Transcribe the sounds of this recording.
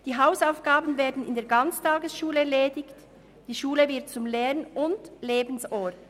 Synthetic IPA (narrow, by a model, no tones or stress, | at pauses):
d̥iːɦaʊsaʊfɡ̥aːbn̩veːɐdn̩ɪ̰ndeːɐɡɑnt͡stʰaːɡəsʃuːləɛleːdɪçt | d̥iːʃuːləvɪɐt̚t͡sʊmlɛːnʔʊndleːbn̩sɔːt